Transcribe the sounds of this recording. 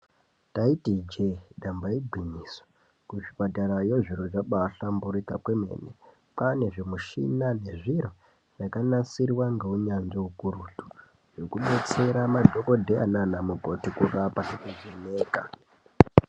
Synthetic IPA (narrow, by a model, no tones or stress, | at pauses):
taitid͡ʒeɗambaiɡʱiɲiːswḁ | kuʐipataɾajoʐiɾoʐaɓaɬambuɾikakwe̞me̞̰ːne | pane̞ʐemuʃḭnane̞ʐiɾo | ʐakanasirwaŋɡeuɲanʐeukuɾutu̥ | jo̞kuɓe̞t͡se̞ɾamadʱo̞ko̞dʱea̰nanamuko̞tikurapakuʐineːka